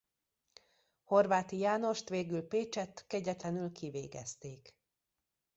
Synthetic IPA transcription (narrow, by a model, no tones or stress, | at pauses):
ho̞rvaːt̪ijaːno̞ʃt̪ʋeːɡylpeːt͡ʃɛt̪ːkɛɟɛt̪lɛnylkʰiveːɡɛ̰st̪eːk